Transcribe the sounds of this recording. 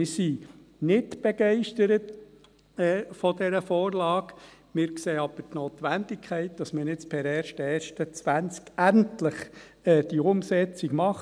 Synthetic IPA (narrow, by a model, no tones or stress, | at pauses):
ɪɾsi | nɪdb̥ɛɡɛɪʃtəɾət | ɛːfɔdɛɾəfɔːɾlɑːɡ | mɪːɾkseːɑb̥ətnoːt̪ʋændɪkʰχɛɪt̚d̥ɑsmənɪt͡spʰɛɾɛːɾʃtɛːɾʃtət͡sʋænt͡skæntlɪχ | ɛːd̥iʊmsɛt͡siɡmɑχ